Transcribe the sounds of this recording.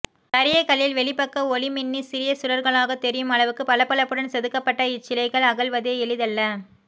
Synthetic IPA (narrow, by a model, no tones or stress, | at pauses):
t̪ɐɾɪjɐkɐljɪlʋɛɭɪpːɐkːɐɔɭɪmɪnːisɪɾɪjɐsʊɾɐɾɣɐɭaːɣɐt̪ɛɾɪjɯmɐɭɐʋɯkːɯpɐlɐpːɐɭɐpːɯɽɐnsɛðɯkːɐpːɐʈːɐɪt͡ʃːɪlɐɪɣɐɭɐɣɐɭʋɐðeːɛɭɯðɐlːɐ